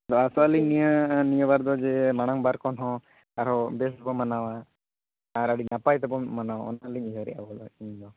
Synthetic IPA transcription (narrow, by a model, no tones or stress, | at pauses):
d̪ɔasɔaliɲnijənijəbaɾd̪ɔd͡ʒɛmaɽ̃aŋbaɾkɔnɦɔ̃ | aɾɦɔbɛsbɔmanawaː | ɾaɽinapajt̪ɛpɔmanawa̰ɔ̰naliɲiɦəɾɛ̰ʔa̰bɔlɔ̰iɲd̪ɔ